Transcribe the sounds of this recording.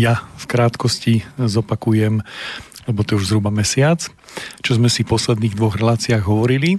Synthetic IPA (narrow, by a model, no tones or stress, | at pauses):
jafkɾaːt̪kɔscizɔpakujɛmlɛbɔt̪ɔjɛuʒzɦɾubamɛsɪat͡s | t͡ʃɔzmɛsifpɔslɛd̪niːɣd̪ʋɔɣɾɛlaːt͡siaːɣɦɔʋɔɾili